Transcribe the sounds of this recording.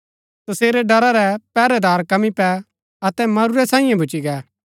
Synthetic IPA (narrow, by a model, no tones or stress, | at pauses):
t̪ɐseːɾɛɖɐɾaɾɛpɛːɾɛd̪aːɾkɐmipɛ | ɐt̪ɛmɐɾuɾɛsãːɪ̃jãbʱʊt͡ʃiɡɛː